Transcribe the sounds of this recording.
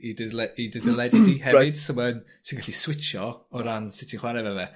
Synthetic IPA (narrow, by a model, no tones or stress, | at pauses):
idədlɛidədəlˠɛdɪdihɛɪd̥səməd | sinɡaɬiswɪt͡ʃɔɔɾansɪtʰɪnχwaɾɛvɛvɛ